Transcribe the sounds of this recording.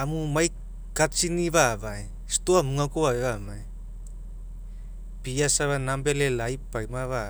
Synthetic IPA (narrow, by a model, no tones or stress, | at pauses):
amumaj | kat͡ʃiniβaβae | st̪uamuŋakuaeβamae | piasaβanambelelajpaimaβa